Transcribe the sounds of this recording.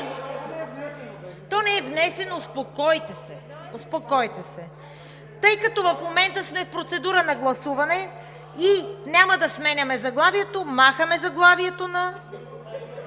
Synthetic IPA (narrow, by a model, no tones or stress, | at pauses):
t̪ɔnɛɛvnɛsɛnospokɔjt̪ɛsɛ | ʊspokɔjt̪əsɛ | t̪ɤjkɐt̪ɔvɐfmomɛnt̪əsmɛfpɾot̪sɛd̪uɾənɐɡlˠɐsuvɐnɛ | inʲaməd̪ɐsmɛnʲɐmɛzɐɡlˠavijɛt̪omaxəmɛzɐɡlˠaviɛt̪onɐ